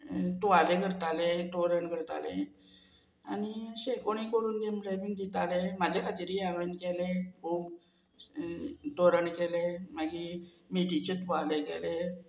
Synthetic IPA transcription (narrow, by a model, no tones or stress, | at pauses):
t̪ualeɡʱəɾt̪alet̪oɾəɳɡʱəɾt̪a̰lḛ̃ | añiɕekoɳ̃ikəɾuːnd̪emblaʋiŋɡd̪it̪alemad͡ʑʱakʰat̪iːɾiaʋənkelekʰuːb | t̪oɾəɳkelemaɡi | miʈit͡ɕet̪ualeɡɛ̰le